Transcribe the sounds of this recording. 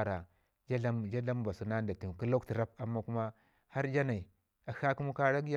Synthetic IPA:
ɾa˨ | d͡ʒa˦ɮa˦md͡ʒa˦ɮa˦m˦ba˨su˨na˦nda˨tu˨ku˦lo˦kti˨ɾa˦pa˨mːa˦ku˦ma˦ | ha˦ɾd͡ʒa˦na˨i˨ | a˨xa˦ku˦mu˦ka˦ɾa˦ɡja˦

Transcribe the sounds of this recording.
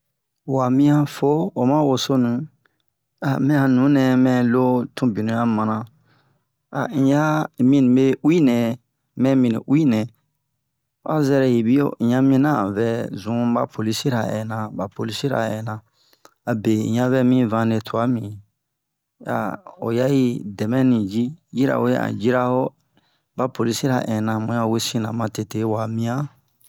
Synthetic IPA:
wa˨mĩ˦ã˧fo˦o˨mã˦wo˨so˦nũ˨˦ | a˨mĩ˦ã˨nũ˨˦nɛ̃˨mɛ̃˧lo˦tʰũ˦bi˨nũ˨ja˦mã˨nã˧ | a̰˨ĩ˨˦ja˦˨mĩ˧nĩ˨be˦wi˦nɛ̃˨ | mɛ̃˦mĩ˧nḭ̃˨ʔwi˦nɛ̃˨˦ | a̰˦zɛ˧˦ɾɛ˨ji˨bi˦o̰˦˨ĩ˨jã˧mĩ˧˦nã˦˨vɛ˨˦zũ˨˦ba˦pʰo˨li˦si˦ɾa̰˨ɛ̰̃˨nã˨ba˨po˨li˦si˦ɾa̰˨ɛ̃˨nã˨ | a˨bẽ˨ɲã˧vɛ˦mĩ˦vã˧˦ne˨tʰu˨a˨˦mĩ˨ | ja̰˨o̰˨ja˦ji˦dɛ˨mɛ̃˦nĩ˨d͡ʒi˦d͡ʒi˦ɾa̰˨we˦ã̰˨d͡ʒi˦ɾa˦ho˦ | ba˦po˨li˦si˦ɾa̰˨ʔɛ̃˨nã˨mũ˨jã˦˨we˦sĩ˦nã˨mã˨te˨te˦wa˨mĩ˧ã˦

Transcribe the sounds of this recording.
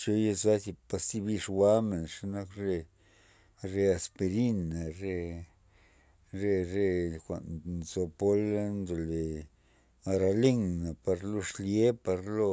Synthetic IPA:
t͡ʃo˧je˧sa˦zi˧pa˧st̪i˦˧bi˧ʂwa˦me˨nʂa˧na˦kɾe˧ | ɾe˧a˧spe˧ɾi˦na˨ɾe˧ | ɾe˧ɾe˧kʷa̰˨nzo˧po˦lnd̪o˨le˨ | a˧ɾa˧le˦ŋna˨pa˧ɾlo˧ʂlje˦pa˧ɾlo˧

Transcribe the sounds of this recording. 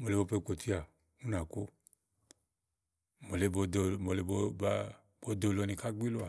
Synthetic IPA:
mo˨le˨bo˨˦pe˦k͡po˨t̪ʰi˦a˨ | ŋũ˦nã˨ko˦ | mo˨le˨˦bo˨do˨mo˨le˨bo˦ba˦ | bo˨˦d̪o˨lo˨nĩ˨ka˦ɡ͡bi˦lo˦a˨

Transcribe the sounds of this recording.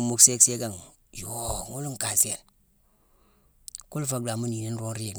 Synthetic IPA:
mu˨kse˦kse˦ɡa˨ŋ | jo˦ŋu˦lu˦mka˨se˨l | ku˦lfa˦ɡ̚da˨mu˦ni˨ni˦n˦ɾo˦nɾi˦˨

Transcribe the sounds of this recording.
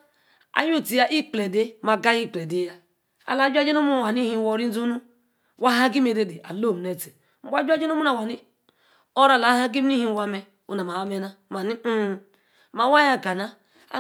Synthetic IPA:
a̰˨ju˦˨ti˨ja˦ʔi˦k͡ple˨de˦ma˨ɡa˦ji˦˨k͡ple˨de˦ja˦ | a̰˨la˨˦d͡ʒa˦d͡ʒe˦no˦mu˦˨wa˨ni˦hi˦˨wo˦ɾi˦zu˦nu˦ | wa˦ɦa˦ɡi˦me˨de˦de˨ʔa̰˨lo˦˨ne˨te˨ | m̩˦ba˨˦d͡ʒʷa˦d͡ʒe˦no˦mu˦na˨wa˨ni˦ | o˦ɾa˨la˨˦ha˦ɡi˦m˦i˦hi˦˨wa˦me˦ | ṵ˨na˨ma˨wa˦me˦na˦ma˨ni˦˨ | ma˨wa˦ja˦ka˨na̰˦

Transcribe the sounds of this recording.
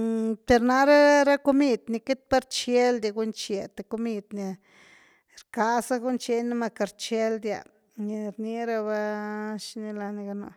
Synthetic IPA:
pe˧ɾna˧ɾa˦a˦ɾa˦ko˧mi˧d̪ni˧ke˦t̪̚pa˦ɾt͡ʃe˦ld̪a˧ɡu˦nt͡ʃe˧t̪e˨ko˧mi˧d̪ni˧ | ɾka˧sa˦ɡu˦nt͡ʃe˧na˦ma˧ka˧ɾt͡ʃe˦ld̪ja̰˨ | ni˧ɾni˧ɾa˧ba˧ʃni˧la˧ni˧ɡa˧no̰˧˨

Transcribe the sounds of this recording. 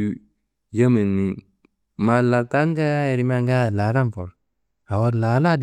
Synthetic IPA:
ja˦me˨ni˨ | ma˨la˨ta˦ŋ˦ɡa˦a˦e˨ɾi˨ma˦ŋɡa˦˨la˨˦ɾa˦mfɔ˨ɾ | a˨wo˦ɾla˨˦la˦d

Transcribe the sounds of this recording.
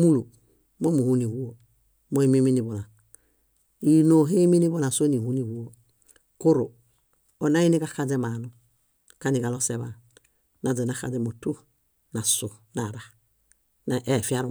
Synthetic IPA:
mu˦lu˨ | mo˦mu˨hu˦ni˨wu˦o˨ | mo˦i˦mi˦mi˦ni˨bo˨la˨ | i˦no˨ɦe˦mi˦ni˦bo˦la˨so˦ni˨hu˦ni˨wu˦o˨ | ko˦ɾo̰˨ | o˨na˦i˦ni˦ka˦ka˦d͡ʒe˦ma˨nu˦ | ka˦ni˨ɡa˨lo˦se˦βa˨ | na˨d͡ze˨na˨˦ka̰˨d͡ʒe˦mo˨tu˦ | na˨so˨na˨ɾa˨ | na˨ʔe˨fi˦a˦ɾu˦

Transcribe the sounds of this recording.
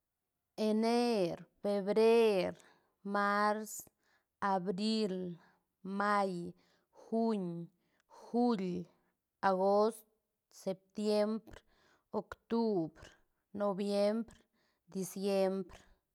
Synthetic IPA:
e˧ne˦ɾfe˧βɾe˦ɾ | ma˦ɾs | a˨bɾi˦l | ma˦j | xu˦ɲ | xu˦l | a˨ɣo˦st̪̚ | se˨p̚t̪je˦mbɾ | o˨kt̪u˦bɾ | no˧bje˦mbɾ | d̪i˧sje˦mbɾ

